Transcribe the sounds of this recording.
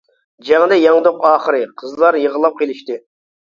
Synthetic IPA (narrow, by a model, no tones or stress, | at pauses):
d͡ʒɛŋd̪ɛjɑŋd̪oqɑːχəɾɨqʰəzlˠɑɾjəʁəlˠɑp̚qʰʲelˠɪʃt̪ɪ